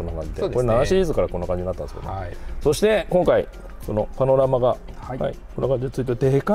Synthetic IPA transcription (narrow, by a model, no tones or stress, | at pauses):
onːakãɲd͡ʑid̪ekoɾenanaɕiɾːzɨkaɾakonːakãɲd͡ʑiɲiat̪ːãnskd̪oso̞ɕi̥t̪e̞kõ̞ŋkaḭ | kono̞pano̞ɾamaɡa | ha̰ikonːokãɲd͡ʑiɲt͡sɨit̪ed̪eka